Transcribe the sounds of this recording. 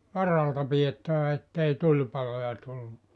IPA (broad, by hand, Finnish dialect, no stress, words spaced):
ʋɑrɑltɑ pij̆etːæʋæ etːei tulʲpɑlojɑ tulːu